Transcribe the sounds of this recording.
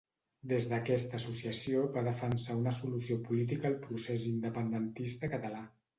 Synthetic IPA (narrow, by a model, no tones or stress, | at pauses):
d̪ezðəkɛst̪əːsusiəsioβaðəfənsaunəsulusiopulit̪̬ikəːlˠpɾusezind̪əpənd̪ənt̪ist̪əkət̪əla